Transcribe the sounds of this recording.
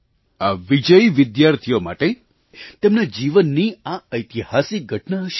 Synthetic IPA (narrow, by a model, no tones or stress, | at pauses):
aʋid͡ʒəjʋɪd̪jaɾt̪ʰijoma̰ʈe | t̪emnad͡ʒiʋənːiaəjt̪ihasiɡʱəʈnaəʃ